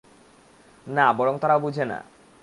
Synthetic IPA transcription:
nabɔɽoŋt̪aɾaobud͡ʑʱena̰

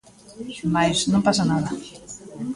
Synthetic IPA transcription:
majznõmpasanaðɐ

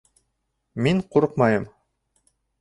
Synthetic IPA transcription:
miɴquɾɤqmɑjɤm

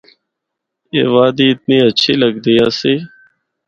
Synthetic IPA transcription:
ḛːʋaːd̪iːɪt̪̚niːət͡ʃʰeːləɡd̪ijaːseː

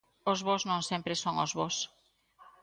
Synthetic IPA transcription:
ozβoznõŋsẽmpɾesoŋozβos

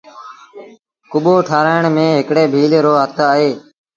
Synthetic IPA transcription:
kʊɓoːʈʰaːɾaːɪɳmẽːɦɪkɽeːbʱiːlɾoːɦət̪ʰaəɦeː

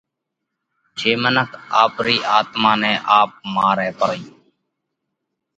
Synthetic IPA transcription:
d͡ʒeːmənəkʰaːpɾiːʔaːt̪mãːnɛ̃ːʔaːp̚maːɾɛːpəɾiː

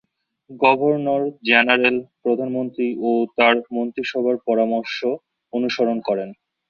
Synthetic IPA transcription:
ɡɔbʱoɾnoɾd͡ʑɛnaɾelpɾod̪ʱanmont̪ɾiot̪aɾmont̪ɾiʃɔbʱaɾpɔɾamoɾʃo | onuʃoɾonkɔɾen

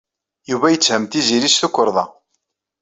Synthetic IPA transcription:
juvæjət͡sːhəmt̪iziɾisθukːəɾˤðˤɑ

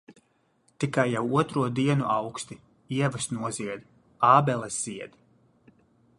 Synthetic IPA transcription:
t̪ikajːawuɔt̪ɾuɔd̪iɛnuʔawkst̪i | iɛvasnuɔziɛd̪ | aːbɛlˠɛsz̥iɛd̪̥

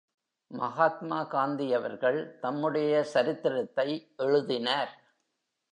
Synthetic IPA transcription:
mɐɣaːt̪maːkaːnd̪ɪjɐʋɐɾɣɐɭt̪ɐmːɯɽɐjɐsɐɾɪt̪ːɪɾɐt̪ːɐɪʔɛɻɯðɪnaːɾ

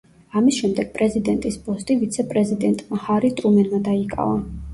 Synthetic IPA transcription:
amisʃɛmd̪ɛɡ̥̚pʼɾɛzid̪ɛnt̪ʼispʼɔst̪ʼivit̪sʰɛpʼɾɛzid̪ɛnt̪ʼmahaɾit̪ʼɾumɛnmad̪aikʼa̰va

